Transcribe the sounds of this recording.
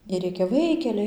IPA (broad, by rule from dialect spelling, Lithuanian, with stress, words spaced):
ɪr ˈrʲeːkʲɛ ˈʋɐɪkʲɛlʲɛɪ